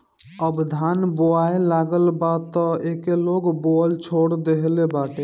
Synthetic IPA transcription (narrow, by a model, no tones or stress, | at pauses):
əbd̪ʱanboaelaɡəlbat̪ɔekeloɡboəlt͡ʃʰoɽd̪eɦlebaʈe